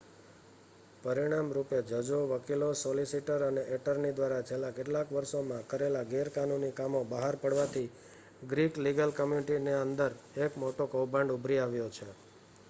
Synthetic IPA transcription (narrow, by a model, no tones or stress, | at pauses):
pəɾiɽ̃amɾuped͡ʒəd͡ʒoʋəkilosolisiʈəɾəneʔeʈəɾnid̪ʋaɾat͡ʃʰelːakeʈlakʋəɾʃomãkəɾelaɡeɾkanunikamobəɦaɾpəɽʋat̪ʰi | ɡɾikliɡəlkəmjuniʈineənd̪əɾ | ekmoʈokowbə̃ɳɖubʱɾiaʋjot͡ʃʰe